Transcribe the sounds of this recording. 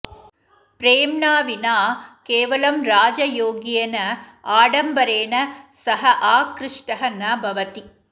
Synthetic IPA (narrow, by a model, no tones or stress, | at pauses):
pɾeːmɳaːʋinaːkeːʋɐlɐmɾaːd͡ʒɐjoːɡijɐnɐaːɽɐmbɐɾeːnɐsɐɦɐʔaːkɾɪʂʈɐɦɐnaːbʱɐʋɐt̪i